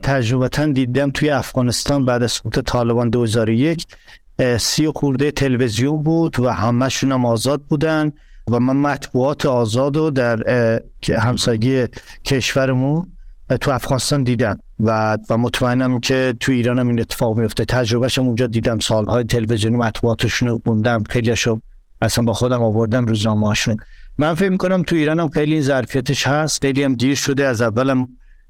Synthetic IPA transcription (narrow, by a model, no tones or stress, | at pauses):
t̪ʰæd͡ʒɾoβæt̪ʰænd̪iːd̪æmt̪ʰujeæfɣ̥ɒːnest̪ɒːnbæːd̪æz̥soɡuːt̪ʰet̪ʰɒːle̞bɒːnd̪ohezɒːɾoje̞cʰ | sijoxuɾd̪ejet̪ʰe̞levezijombuːd̪væhæmæʃunæmɒːzɒːd̪̚buːd̪æn | væmænmæt̪ʰbuɒːt̪ʰeɒːzɒːd̪od̪æɾʰ | hæmsɒːjeɡijecʰe̞ʃvæɾemunt̪ʰuæfɡɒːnest̪ɒːnd̪iːd̪æm | vævæmot̪ʰmæenæmcʰe̞t̪ʰuiːɾɒːnæminet̪ʰːe̥fɒːɣmijo̞ft̪et̪ʰæd͡ʒɾo̞βæʃæmund͡ʒɒːd̪iːd̪æmsɒːlhɒːjet̪ʰe̞levezijonimæt̪ʰbuɒːt̪ʰeʃunomund̪æmxe̞jliæʃo | æsænbɒːxod̪æmɒːvo̞ɾd̪æmɾuːznɒːmeɒʃunmænfecmikʰonæmt̪ʰuiːɾɒːnæmxejliinzæɾfijæt̪ʰeʃhæst̪xejliæmd̪iːɾʃod̪eæzævːælæm